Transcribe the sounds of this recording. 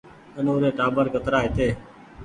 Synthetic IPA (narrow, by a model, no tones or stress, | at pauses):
ənoːɾeːʈaːbəɾkət̪ɾaːɦɪt̪eː